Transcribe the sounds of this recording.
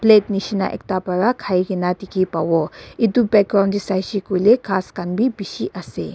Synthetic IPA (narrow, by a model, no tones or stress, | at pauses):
pleːtniʃina̰ʔɛ̰k̚t̪apɐɾakʰaiɡinat̪ikipawɔid̪ubɛkɾandisajʃikulekʰaːskanbʱibiʃiʔɐsḛ